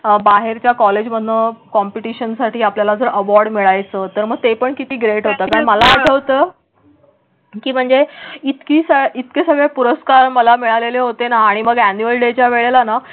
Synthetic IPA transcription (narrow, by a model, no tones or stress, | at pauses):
baɦeɾt͡ɕjakɔled͡ʑm̤ənːəkɔmpiʈiɕənsaʈiːapljalad͡zəɾʔəʋɔɾɖmiɭajt͡səːt̪əɾməɡ̚t̪epəɳkit̪iːɡɾeʈɦot̪əːkaɳməlaːʈʰəʋt̪əː | kiːm̤əɳd͡zeit̪kiːsəit̪kesəɡɭepuɾəskaɾməlamiɭaleleɦot̪enaːɽ̃iməɡænuəlɖet͡ɕjaʋeɭelana